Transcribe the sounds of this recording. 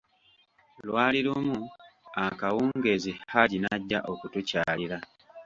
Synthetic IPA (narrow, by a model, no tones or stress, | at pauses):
lwaːliɾumuakawuːŋɡe̞zihaɟinaɟːa̰ʔo̞kutucaːliɾa